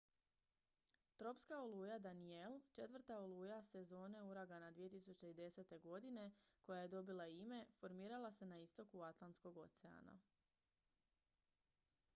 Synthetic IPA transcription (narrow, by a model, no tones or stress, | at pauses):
t̪ɾo̞pskaoluːjad̪anielˠt͡ʃe̞t̪ʋr̩t̪aolˠuːjase̞zo̞ːne̞uɾaɡanad̪ʋije̞t̪isut͡ɕe̞id̪e̞se̞t̪e̞ɡo̞d̪ine̞ko̞jaje̞d̪o̞bilaime̞fo̞ɾmiːɾalˠase̞naist̪o̞kuat̪lˠansko̞ɡo̞t̪sea̰na̰